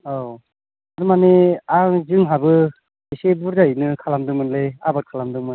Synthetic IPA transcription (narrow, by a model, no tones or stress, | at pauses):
o | aɾumaneaŋzɯŋɦabɯ | isebuɾzajnɯkʰalamdɯŋmɯnleabakʰalamdɯŋmɯ